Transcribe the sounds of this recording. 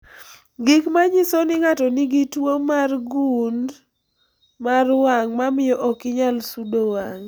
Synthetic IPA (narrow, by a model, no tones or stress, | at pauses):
ɡɪkmaɲisonɪŋatɔniɡitwomarɡund | marwaŋmamɪjɔʔɔkɪɲalsudowaŋ